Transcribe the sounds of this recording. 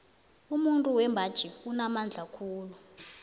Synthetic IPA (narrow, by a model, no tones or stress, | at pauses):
umuntʼuwɛmbʱad̥ʒ̥ʱiunamand͡ɮʱakʰuːlu